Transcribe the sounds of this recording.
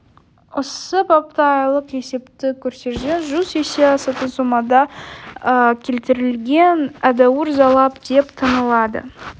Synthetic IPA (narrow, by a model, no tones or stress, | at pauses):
osəpʰɑpt̪ɑjlˠəqe̞se̞pt̪ɪkʲʰɵɾse̞ɾʒeʒyzeseɑsɑt̪ənsomɑd̪ɑəkʲʰe̞lt̪ɪɾɪlɡʲe̞næd̪ɑwəɾzɑlˠɑpd̪̥e̞pt̪ʰɑnəlˠɑd̪ə̰